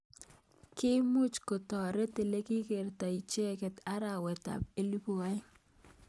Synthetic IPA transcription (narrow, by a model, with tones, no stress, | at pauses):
kɪ˦mʊ˦t͡ʃko˨tɔ˨ɾɛ˦te˨le˦ki˦ke˨ɾta˨i˨t͡ʃe˦kɛ˨ta˦ɾa˨wɛ˨ta̰˨p̚e˦li˦pu˨a˦j